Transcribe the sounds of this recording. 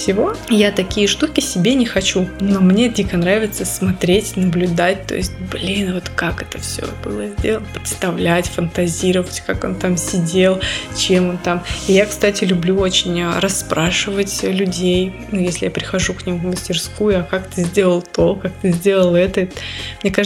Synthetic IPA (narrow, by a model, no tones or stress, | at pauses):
sʲɪvo̞jat̪ɐkʲijəʂt̪ukʲɪsʲɪbʲenʲɪxɐt͡ɕuno̞mnʲe̞dʲikənɾavʲɪt̪səsmɐt̪ɾʲetʲnəblʲʊd̪at̚ʲt̪o̞̰jɪsʲt̚ʲblʲinvo̞t̪kakɛt̪əfsʲo̰b̥ɨ̰lˠəzʲdʲelənpɾʲɪ̥t̪st̪ɐvlʲætʲfənt̪ɐzʲiɾəvətʲkako̞̰nt̪amsʲɪdʲelˠt͡ɕe̞mont̪amɪjakst̪atʲɪlʲʊblʲuo̞t͡ɕɪnʲəɾɐsːpɾaʂɨvətʲlʲʊdʲejnujesʲlʲɪ̰japɾʲɪxɐʐuknʲimvməsʲtʲɪrskujʊjakakt̪ɨzʲdʲe̞lˠəlˠt̪okak̚t̪ɨzʲdʲe̞lˠəlˠɛt̪əɛmnʲe̞ka